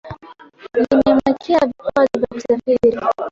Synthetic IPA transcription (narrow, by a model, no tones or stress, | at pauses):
inɛmakʰiavikazivjakusafiɾi